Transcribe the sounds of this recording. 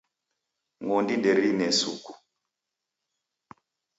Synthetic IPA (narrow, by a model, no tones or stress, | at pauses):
ŋɡɔndiɗɛɾinɛsṵku̥